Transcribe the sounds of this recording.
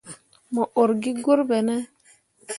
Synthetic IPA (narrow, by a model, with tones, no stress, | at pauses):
mɔ˨ʔo˨ɾɡi˦ɡo˦ɾbɛ˨nɛ˦